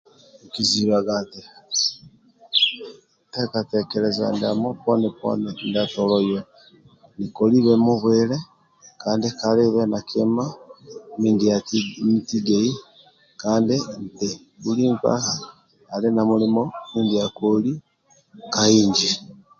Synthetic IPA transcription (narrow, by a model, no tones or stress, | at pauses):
ekiziβaɡati | tekatekeɾeza̰nda̰moponepo̰nendatolojo | nikoliβemuβwele | kaːndikaleβenakʰema | mindamitiɡei | kaːndinte | βuliːmpa̰haː | linamulimomiːndiakoli | kaiːɲd͡ʒi